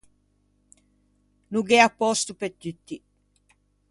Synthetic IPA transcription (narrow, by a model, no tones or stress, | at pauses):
nuɡeapːɔst̪upet̪ːyt̪ːi